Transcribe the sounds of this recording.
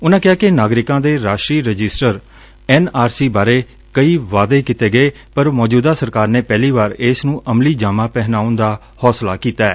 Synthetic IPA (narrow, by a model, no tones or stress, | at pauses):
ʊnãːkɪaːkɪnaːɡɾɪkãːd̪eːɾaːʃɾiːɾəd͡ʒɪsʈəɾ | ɛːnaːɾsiːbaːɾeː | kəiːʋaːd̪eːkɪt̪eːɡəeː | pəɾmɔːd͡ʒuːd̪aːsəɾkaːɾneːpɛːliːbaːɾɪːsnũːʔəmliːd͡ʒaːmãːpɛːɦnaːʊnd̪aː | hɔːslaːkiːt̪aːɛː